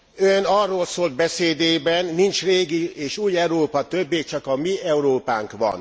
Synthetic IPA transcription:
ønɒrːoːlsoːld̪̚bɛseːd̪eːbɛnːint͡ʃreːɡieːʃuːjɛwɾoːpɒt̪øbːeːt͡ʃɒkɒmiɛuɾoːpa̰ːŋkʋɒ̰n

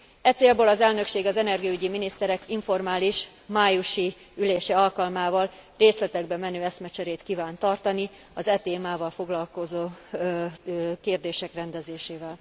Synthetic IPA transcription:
ɛt̪seːlbøːlɒzɛlnø̞kʃeːɡɒzɛnɛrɡiyɟiminist̪ɛɾɛkiɱfo̞rmaːliʃ | maːjuʃi | yleːʃɛɒlkɒlmaːvɒlreːslɛt̪ɛɡ̚bɛmɛnøːɛsmɛt͡ʃɛɾeːt̪kiːvaːnt̪ɒrt̪ɒni | ɒzɛt̪eːmaːvɒlfo̞ɡlɒlko̞zoː | keːrd̪eːʃɛkrɛnd̪ɛzeːʃeːvɛl

